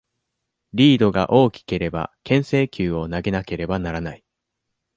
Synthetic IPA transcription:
ɾʲiːd̪o̞ɡa̰ʔo̞ːkʲi̥ke̞ɾe̞ba̰kẽ̞ɰ̃se̞ːkʲɨːo̞naɡe̞nake̞ɾe̞banaɾanai

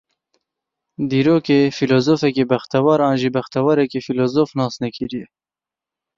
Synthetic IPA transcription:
d̪iːɾoːkeːfiloːzoːfɛkebæxt̪ɛwɑːɾɑːnʒiːbɐxt̪ɛwɑːɾɛkefiloːzoːfnɑːsnɛkʰiɾijɛ

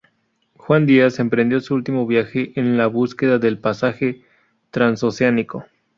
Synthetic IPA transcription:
xwand̪iase̞mpɾe̞nd̪jo̞suult̪imo̞βjaxeʔenlaβuske̞ðaðe̞lpasaxe̞ | t̪ɾansoseaniko

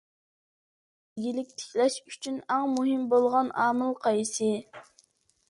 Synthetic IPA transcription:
ɪɡʲilɪk̚ʲt̪ʰɪ̥kʲlɛʃyt͡ʃʰynæŋmuɦɪmbolˠʁɑnɑːmɨlˠqʰɑjsɨ

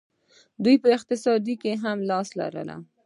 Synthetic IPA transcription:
d̪ujpəɪq̚t̪ɪsɑd̪ikeɦamlɑsla̰ɾə̰la̰

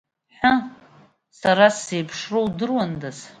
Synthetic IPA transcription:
ħʊ | saɾasejpʰʂrowdɨrwandaz

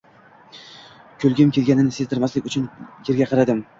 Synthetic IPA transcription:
kʲʰɵlˠɡʲɪmkʲʰe̞lɡʲanɪnɪsezt̪ʰɪɾmaslɪkʲʊt͡ʃʰʊnje̞ɾɡʲaqʰɑɾad̪ɪm

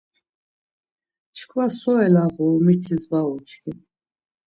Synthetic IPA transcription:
t͡ʃʰkʰvasɔɛlaʁumit̪ʰizbaɔt͡ʃʰkʰi

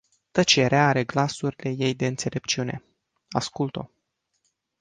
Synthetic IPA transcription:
t̪ət͡ʃe̞ɾeaaɾe̞ɡlasuɾile̞je̞jd̪e̞ɨnt̪se̞lʔe̞p̚t͡ʃiune̞̰ | a̰skult̪o̞̰

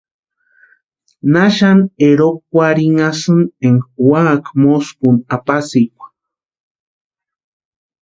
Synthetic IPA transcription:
naʃaneɾokːwʷaɾiŋasɨneŋwaːkmoskunapasikʷḁ

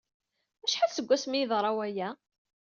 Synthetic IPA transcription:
æʃħasəɡʷːæsmiəðˤɾˤɑwæjæ

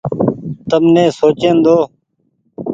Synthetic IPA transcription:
t̪əmnẽːsoːt͡ʃend̪oː

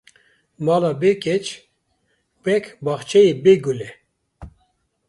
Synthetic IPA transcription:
mɑːlaːbekɛt͡ʃ | b̥ɛkʰbɑχt͡ʃʰɛjebeːɡulɛ

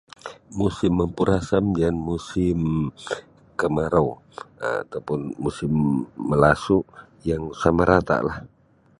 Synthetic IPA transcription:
musɪmːəmpuɾasamdanmusɪm | kəmaɾaw | a̰t̪awpʊnmusɪmːəlasu | jaŋsamaɾʔat̪a̰ʔlah

